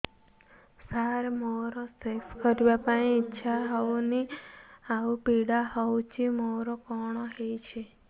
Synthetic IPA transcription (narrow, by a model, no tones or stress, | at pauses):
saɾmoɾosekskəɾʋapãiːtːʃʰaɦɔuniaupiɽaɦɔut͡ʃʰimoɾokɔɽ̃ɔɦejt͡ʃʰe